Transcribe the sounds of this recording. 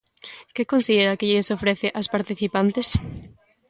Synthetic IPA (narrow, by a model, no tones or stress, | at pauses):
kɪkonsiðeɾakeʎesofɾeθɪʔaspaɾt̪iθipant̪es